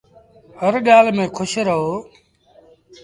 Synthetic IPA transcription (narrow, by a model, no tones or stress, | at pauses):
həɾɠaːlmẽːkʰʊʃɾəɦoː